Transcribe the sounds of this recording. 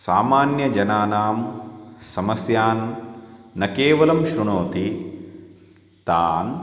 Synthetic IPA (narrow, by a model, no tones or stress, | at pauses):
saːmaːnjɐd͡ʒɐnaːnaːmsɐmɐsjaːnː | ɐkeːʋɐlɐmʃɾuɳoːt̪i | t̪aːn